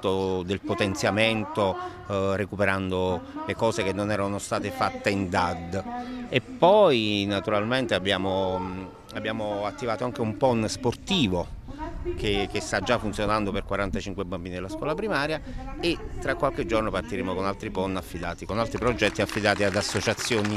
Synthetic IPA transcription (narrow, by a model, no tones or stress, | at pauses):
t̪ːod̪elpot̪ent̪sjament̪o | rekupeɾand̪olekɔːsek̟enːonɛːɾanost̪aːt̪efat̪ːeind̪ad̪ːepːɔjnat̪uɾalment̪eabːjaːmo | abːjaːmoat̪ːivaːt̪oaŋk̟eumpɔnsport̪iːvo | k̟ek̟est̪ad͡ʒːafːunt̪sjonand̪operkwaɾant̪at͡ʃiŋkwebambiːnid̪elaskwɔːlapɾimaːɾjaet̪ːɾakwalk̟ed͡ʒornopart̪iɾeːmokonalt̪ɾipɔnːafːid̪a̰ːt̪ikonalt̪ɾipɾod͡ʒɛt̪ːiafːid̪aːt̪iad̪asːot͡ʃat̪sːjoːni